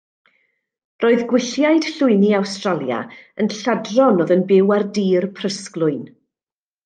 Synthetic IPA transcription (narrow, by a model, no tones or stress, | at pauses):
rʔoːɨðɡwɪɬjaɨd̥ɬʊɨniawstralˠja̰ənɬadrɔnɔðənbɪwardiːrpʰr̥əsklˠʊɨn